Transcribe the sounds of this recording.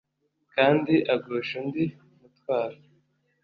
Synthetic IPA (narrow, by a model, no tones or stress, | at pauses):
kaːndiʔaɡoːʃundi | umutwaːɾa